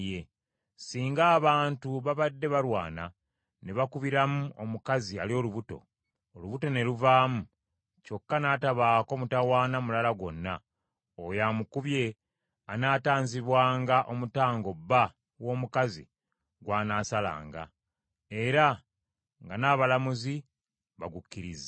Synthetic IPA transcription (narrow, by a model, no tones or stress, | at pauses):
je | siːŋɡaːβaːntuβaβadːe̞βaɾwa̰ːna̰ | neβakuβiɾamuʔo̞mukazia̰ljo̞luβuto̞̰ | oluβuto̞ne̞luvaːmu | co̞kːanaːtaβaːko̞ːmutawaːnamulalaɡwo̞nːa | ojamukuβje̞ | anaːtaːɲziβwaːŋɡaʔo̞mutaːŋɡo̞bːa | wo̞ːmukazḭ | ɡwaːnaːsala̰ːŋɡa̰ | e̞ɾa | ŋɡanaːβalamuzi | βaɡukːiɾiza